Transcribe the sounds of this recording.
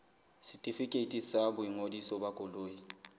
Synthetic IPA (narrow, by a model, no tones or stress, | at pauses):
sɪtʼifikʼetʼisabʊiŋodisɔbakʼʊloːji